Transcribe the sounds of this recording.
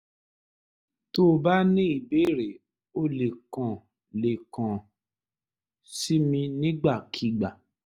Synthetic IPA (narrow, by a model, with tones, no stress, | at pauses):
to˦˧ba˦nĩ˦i˦˨be˦˨ɾe˨ | o˦le˨kã˨ | le˨kã˨ | si˦mĩ˧nĩ˦ɡ͡ba˦˨kʰi˧˨ɡ͡ba˨